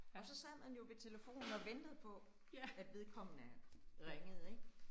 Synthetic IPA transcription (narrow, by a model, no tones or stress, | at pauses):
ɒ̽sɒ̽sæð̰ˠhænjo̝ʋe̝t͡sʰe̝ləfo̝̰ːnn̩ɒ̽ʋend̥əð̞̩ˠpʰɒ̽ | æd̥ʋe̝ð̞ˠkʰɒ̽m̰ənæʁeŋəð̞̩ˠeɡ̥